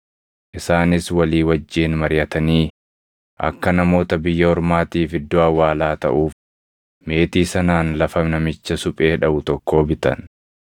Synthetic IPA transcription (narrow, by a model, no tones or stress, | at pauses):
ʔɪsaːnɪswɐliːwɐd͡ʒːiːnmɐɾɪjɐt̪ɐniː | ʔɐ̰kːɐnɐmo̞ːt̪ɐbɪjːɐɔɾmaːt̪iːfɪd̪ːoːɐwːaːlaːt̪ɐ̰ʔuːf | me̞ːt̪iːsɐnaːnlɐfɐmnɐmɪt͡ʃːɐsʊpʼe̞ːᶑɐbʊt̪ɔkʰːo̞ːbɪt̪ɐ̰n